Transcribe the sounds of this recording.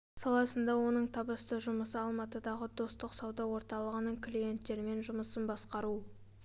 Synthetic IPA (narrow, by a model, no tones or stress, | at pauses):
sɑlˠɑsənd̪ɑwo̞nəɴt̪ʰɑbəst̪əʒʊməsəɑlˠmɑt̪əd̪ɑʁəd̪o̞st̪əqsɑwd̪ɑwo̞ɾt̪ɑlˠəʁənəɴklʲije̞nt̪ːe̞ɾɪme̞nʒʊməsənbɑsqɑɾu